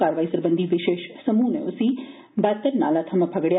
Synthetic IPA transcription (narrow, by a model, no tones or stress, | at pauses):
aɾʋaːisəɾbənd̪ʱiʋɪʃeʃsəmuːnḛusi | bat̪ːəɾna̰ːlat̪ʰɐməpʰəɡɽja